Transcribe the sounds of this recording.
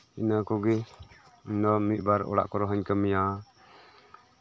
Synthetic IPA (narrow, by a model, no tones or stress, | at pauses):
inakɔɡɛ | nɔmiʔ̚baɾɔ̰ɽa̰ʔkɔɾɔɦəɲkəmija